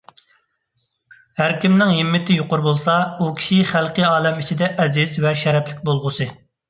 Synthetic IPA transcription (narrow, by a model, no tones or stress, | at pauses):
hæɾkʲimnɪŋɦɪmːɪt̪ɪjoqʊɾbolˠsɑukʲʰi̥ʃiχælˠqɨjɑːlˠɛmit͡ʃʰid̪ɛʔɛzɪzvɛʃɛɾɛpʰlɪk̚ʲbolˠʁʊsɨ